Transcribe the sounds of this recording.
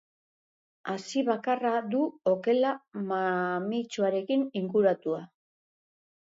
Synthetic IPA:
asiβakarad̪uo̞ke̞lamamit͡ʃuaɾe̞kiniŋɡuɾat̪ua

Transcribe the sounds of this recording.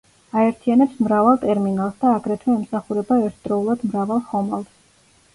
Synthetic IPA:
aɛɾt̪ʰianɛpsmɾavalˠt̪ʼɛɾminalˠsd̪aːɡɾɛt̪ʰwɛːmsaχuɾɛbaɛɾt̪ʰd̪ɾɔulˠad̪mɾavalˠhɔmalˠs

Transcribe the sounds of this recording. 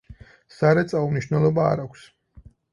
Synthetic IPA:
saɾɛt̪sʼaumniʃwnɛlˠɔba̰ːɾakʷʰs

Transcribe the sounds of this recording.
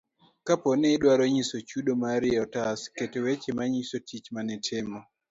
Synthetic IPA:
kapɔnɪɗwaɾoɲisot͡ʃuɗomaɾɪɔtasketewet͡ʃemaɲisotʰit͡ʃmanɪtʰɪmɔ

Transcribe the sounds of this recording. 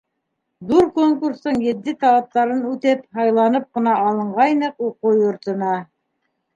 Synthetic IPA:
d̪uɾkoŋkuɾst̪ɤɴjɘ̆d̪ːɘt̪ɑlˠɑp̚t̪ɑɾɤnʉt̪ɘphɑjlˠɑnɤp̚qɤ̆nɑːlˠɤ̆ɴʁɑjnɤququjŏɾt̪ɤ̆nɑ

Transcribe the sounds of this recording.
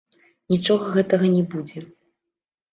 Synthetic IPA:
nʲit͡ʂɔɣɐɣɛt̪ɐɣɐnʲɛbud͡zʲɛ

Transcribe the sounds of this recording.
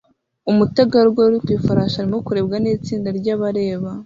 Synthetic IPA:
umutaɡaɾɡwaɾitwiːfaɾaʃaɾimo̞kuɾe̞b̚ɡaniːt͡siːndaɾɟaβaɾe̞ːβa

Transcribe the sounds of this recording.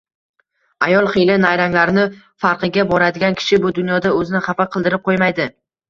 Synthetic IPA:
ajɒlˠχelɪnajɾaŋlaɾɪnɪ | faɾqʰɨɡʲabɒɾad̪ɪɡʲankʲʰɪ̥ʃɪbʊd̪ʊnjɒd̪aɵzɪnɪχɑfaqʰɨlˠd̪ɪɾɪp̚qʰojmajd̪ɪ

